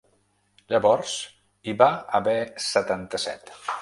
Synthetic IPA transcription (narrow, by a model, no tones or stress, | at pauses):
ʎəβɔɾs | iβaəβɛsət̪ant̪əsɛ̰t̪